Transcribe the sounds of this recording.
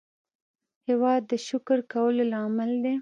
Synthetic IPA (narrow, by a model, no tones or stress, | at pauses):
hewɑd̪ːəʃʊkɾkawəlolɑmɪld̪e